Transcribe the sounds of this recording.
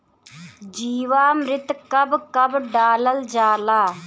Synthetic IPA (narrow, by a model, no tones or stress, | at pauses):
d͡ʒiːʋaːmɾɪt̪kɐbkɐbɖaːləld͡ʒaːlaː